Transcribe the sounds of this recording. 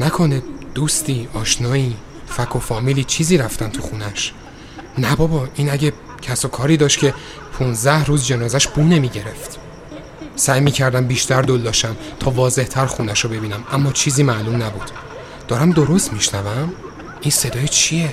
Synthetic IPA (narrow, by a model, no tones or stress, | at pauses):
nækʰoned̪̥uːst̪iːɒːʃnɒːiː | fækʰo̞fɒːmiːliːt͡ʃʰiːziːɾæft̪ænt̪ʰuxunæʃ | næbɒːbɒːʔiːnæɟe | cʰæsokʰɒːɾiːd̪ɒːʃcʰe̞ | pʰunzd̪æhɾuːzd͡ʒe̞nɒːzæʃb̥uːnemiːɟe̞ɾe̞ft̪ | sæːjmiːcʰæɾd̪æmbiːʃt̪ʰæɾd̪old̪ːɒːʃæmt̪ʰɒːvɒːze̞ht̪ʰæɾxunæʃobe̞biːnæmʔæmːɒːt͡ʃʰiːziːmælumnæbṵːd̪̥ | d̪̥ɒːɾæmd̪oɾo̞st̪miʃnævæm | ʔinse̞d̪ɒːjet͡ʃʰije̞